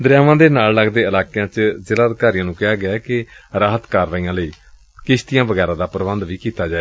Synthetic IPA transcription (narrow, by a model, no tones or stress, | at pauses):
d̪əɾjaːʋãːd̪eːnaːlləɡd̪eːəlaːkejãːt͡ʃzɪlaːd̪kaːɾɪjãːnũːkɪaːɡɪaːkɪɾaːɦət̪kaːɾʋaːiːãːləiː | kɪʃt̪ijãːʋəɡɛːɾãːd̪aːpɾəʋənd̪ʋiːkiːt̪aːd͡ʒaːe